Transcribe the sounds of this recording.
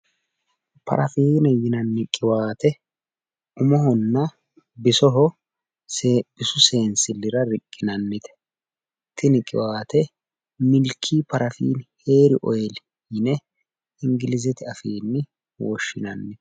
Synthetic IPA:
pɐ̰ɾʔɐfiːnɛjɪnɐnːɪkʼɪwaːt̪ɛ | ʊmɔhɔnːɐ | bɪsɔɦɔ | sb̥ɪsʊse̞ːnsɪlːɪɾɐɾɪkʼːɪnɐnːɪt̪ɛ̥ | t̪ːɪnɪkʼɪ̰waːt̪ɛ | mɪlkʰːiːpɐɾʔɐfḭːnhe̞ːɾɪʔɔjɛl | jɪnɛ | ɪŋɡɪlɪzɛt̪ɪɐfiːnːɪ | wɔʃːɪnɐnːɪt̪ɛ̥

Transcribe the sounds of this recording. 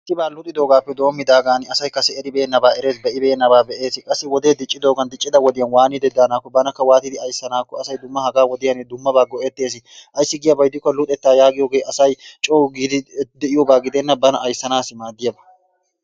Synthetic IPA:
t̪ːɪbaːlʊt̪ʼɪd̪o̞ːɡaːpːɛd̪o̞ːmːɪd̪aːɡaːnɪɐsɐjkɐsɛɛɾɪbeːnːɐbaːɛɾe̞ːsbɛʔɪbɛeːnɐbaːbɛʔeːsɪkʼɐsːɪwɔd̪eːd̪ɪt͡ʃʼːɪd̪o̞ːɡɐnd̪ɪt͡ʃʼːɪd̪ɐwɔd̪ɪjɐnwaːnɪd̪ɛd̪ːaːnaːkːɔbɐnɐkːɐwaːt̪ɪd̪ɪɐjsːɐnaːkːɔɐsɐjd̪ʊmːɐhɐɡaːwɔd̪ɪjɐnɪd̪ʊmːɐbaːɡɔʔɛt̪ːe̞ːs̬ɪ | ʔɐjsːɪɡɪjɐbɐjd̪ɪkːɔlʊt̪ʼɛt̪ːaːjaːɡɪjoːɡejɐsɐjt͡ʃʼoːɡɪd̪ɪd̪ɛʔɪjoːbaːɡɪd̪ɛnːɐbɐnɐʔɐjsːɐnaːsɪmaːd̪ɪjɐbɐ̥

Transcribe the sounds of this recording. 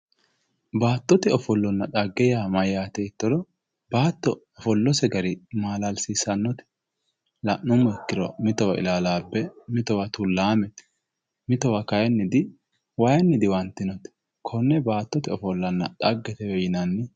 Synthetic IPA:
baːt̪ːɔt̪ɛɔfɔlːɔnːɐᶑ̪ʼɐɡːɛjamɐjaːt̪ɛɪt̪ːɔd̪ɔ | baːt̪ːɔːfɔlːɔsɛɡɐɾɪmaːlɐlsiːsɐnːɔt̪ɛ̥ | lɐʔʊmːɔɛkːɪɾɔmɪt̪ɔwɐʔɪ̰laːlaːbːɛmɪt̪ɔwɐt̪ʊlːaːmɛt̪ | mɪt̪ɔwɐkɐjɐnːɪd̪ɪ | wɐjɐnːɪd̪ɪwɐnt̪ːɪnɔt̪ɛ̥ | kʰɔnːɛbaːt̪ːɔt̪ɪɔfɔlːɐnːɐᶑ̪ʼɐɡːɛt̪ɛjɔjɪnɐnːɪ

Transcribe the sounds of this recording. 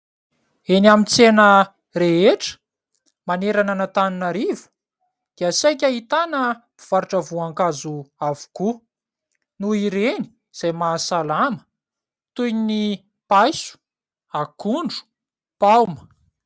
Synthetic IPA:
enamint͡senə | reeʈ͡ʂə̥ | maneɾananət̪aninəɾivu̥ | d̪̥iasajk̬ʲaɦit̪anəmifaɾuʈ͡ʂavuaŋkazuavu̥ku | nuiɾeni̥ | z̥ajmasalamə̥ | t̪ujnini | pajsu̥ | akuɳɖ͡ʐu̥ | pawmə

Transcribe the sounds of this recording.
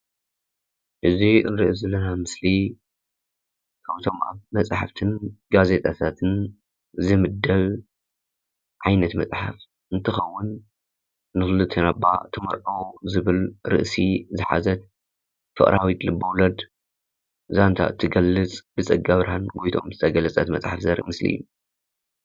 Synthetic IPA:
ʔɨziɨnɾɨʔzɐlːɐnamɨsli | kʰaβt̪ʰo̞mʔa̰βmɐt͡sʼħaft̪ʰɨnɡaze̞t̪ʼʰat̪ʰat̪ʰɨn | zɨmɨd̪ːɐβ | ʕajnɐt̪mɐt͡sʼħa̰f | ʔɨnt̪ʰɨxɐwːʊn | nɨfɨlɨt̪ʰɐnabːa̰t̪ʰɨmɐɾʔɐwzɨβɨlɾɨ̰ʔsizɨħa̰zɐt̪̚ | fɨ̰χʼɾʔawit̪lɨbɐwlɐd̪ | zant̪ʰa̰ɨt̪ʰːiɡɐlːɨt͡sʼb̥ɨt͡sʼɨɡaβɾahanɡo̞jt̪ʰo̞̰mzɨt̪ʰɐɡɐlɐt͡sʼɐt̪mɐt͡sʼħafzɐɾmɨslḭjːu

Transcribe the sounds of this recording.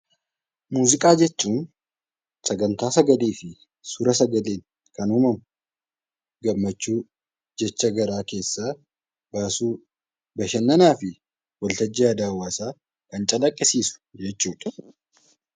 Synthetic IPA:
muːzɪkʼaːd͡ʒɛt͡ʃːuːn | sɐɡɐnt̪aːsɐɡɐliːfɪ | sʊɾɐsɐɡɐleːŋ | kɐnʊmɐmʊ | ɡɐmːɐt͡ʃːuː | d͡ʒɛt͡ʃːɐɡɐɾaːke̞ːsːaː | baːsuː | bɐʃɐnːɐnaːfɪ | wɐlt̪ɐd͡ʒːiːɐd̪aːwːaːsaː | kɐnt͡ʃʼɐlɐkʼːɪsiːsʊ̥d͡ʒɛt͡ʃːuːᶑɐ̥

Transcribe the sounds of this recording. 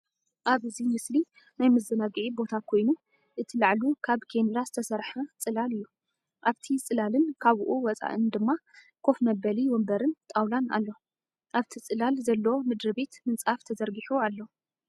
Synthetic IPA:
ʔaβɨzimɨsli | najmɨzɨnaɡʕibo̞t̪ʰakʰo̞jnu | ʔɨt̪ʰilaʕlukʰaβkʰenlazɨt̪ʰɐsɐɾħat͡sʼɨlalɨjːu | ʔaβt̪ʰit͡sʼɨlalɨnkʰaβʔuwɔt͡sʼa̰ʔɨnd̪ɨmːa | kʰo̞fmɐbɐliwɔmbɐɾɨnt̪ʼawlana̰lːo | ʔaβt̪ʰit͡sʼɨlalzɐlːwomɨd̪ɾɨbe̞t̪mɨnt͡sʼaft̪ʰɐzɐɾɡiħualːɐ

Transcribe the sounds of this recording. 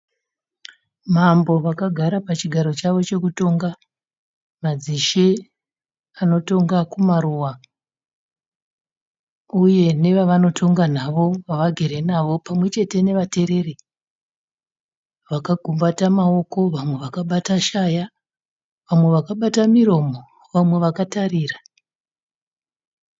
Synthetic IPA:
mambo̞ʋakaɡʱaɾapat͡ʃiɡʱaɾo̞t͡ʃaʋo̞t͡ʃe̞kuto̞ŋɡa | mad͡ziʃe | ano̞to̞ŋɡakumaɾuwa | uje̞ne̞ʋaʋano̞tʰo̞ŋɡanaʋo̞ʋaʋaɡʱe̞ɾe̞naʋo̞pamwe̞t͡ʃe̞te̞ne̞ʋate̞ɾe̞re | ʋakaɡʱumbatamao̞ko̞ʋamwe̞ʋakaɓataʃaja | ʋamwe̞ʋakaɓatamiɾo̞mo | ʋamwe̞ʋakatariːra

